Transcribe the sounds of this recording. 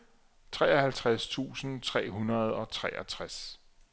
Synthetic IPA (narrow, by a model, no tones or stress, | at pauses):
t͡sʰʁɛ̰ːɒhælt͡sʰʁast͡sʰṵːsn̩t͡sʰʁɛ̰ːɦunɐð̞ˠɒ̽t͡sʰʁɛ̰ːʔæt͡sʰʁas